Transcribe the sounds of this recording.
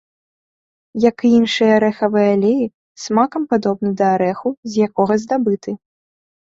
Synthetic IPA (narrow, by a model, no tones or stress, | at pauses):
jɐkɨinʂɨjɐɾɛxɐvɨjalʲeji | smakɐmpad̪ɔbnɨd̪ɐːɾɛxuzʲjakɔɣɐzd̪abɨt̪ɨ